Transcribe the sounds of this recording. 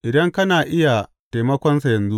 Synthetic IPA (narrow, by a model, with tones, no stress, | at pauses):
ʔɪ˨dɐ˦ŋkɐ˦naː˨ʔɪ˦ja˨ | ta˨mɐ˦kʷɔ˦nsa˨jɐ˨nzu˦